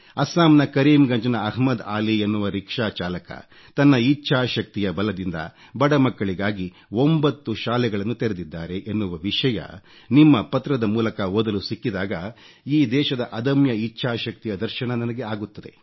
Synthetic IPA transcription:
ɐsaːmnɐkɐɾiːmɡɐɲd͡ʒɐnɐɐɦmɐd̪aːlienːuʋɐɾikʂaːt͡ʃaːlɐkɐ̰ | t̪ɐnːɐit͡ʃːt͡ʃʃʰaːʃɐk̚t̪ijɐbɐlɐd̪ind̪ɐ̰ | bɐɽɐmɐkːɐɭiɡaːɡi | ombɐt̪ːuʃaːlɛɡɐɭɐnːut̪eɾed̪id̪ːaːɾe̞ʔenːuʋɐʋiʂɐjɐ̰ | nimːɐpɐt̪ɾɐd̪ɐmuːlɐkɐod̪ɐlusikːid̪aːɡɐ | iːd̪ɛːʃɐd̪ɐʔɐd̪ɐmjɐiʃʰaːʃɐk̚t̪ijɐd̪ɐɾʃɐɳɐnɐnɐɡe̞aːɡut̪ːɐd̪e̞̰

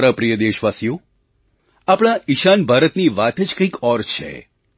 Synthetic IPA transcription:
ɾapɾijəd̪eʃʋasjo | apɽ̃aʔiʃanbʱaɾət̪niʋat̪ed͡ʒkəikɔɾt͡ʃʰḛ

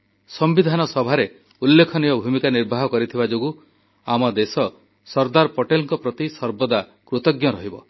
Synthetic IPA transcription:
sɔmbid̪ʱanɔsɔbʱaɾe | ulːekʰɔniɔbʱumikaniɾbʱaɦɔkɔɾit̪ʰibad͡ʒoɡu | amɔd̪esɔ | sɔɾd̪aɾpɔʈelɔŋkɔpɾɔt̪isɔɾbɔd̪akɾut̪ɔɡjɔɾɔɦibɔ

